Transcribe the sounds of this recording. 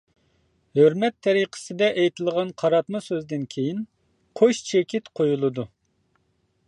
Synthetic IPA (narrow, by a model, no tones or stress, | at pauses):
høɾmɛt̪ʰːɛɾiqʰə̥sɨd̪ɛʔɛjt̪ʰɨlˠʁɑnqʰɑɾɑt̪mɨsøzd̪ɪnkʲʰejin | qʰoʃt͡ʃʰekʲʰit̪qʰojulˠɨd̪u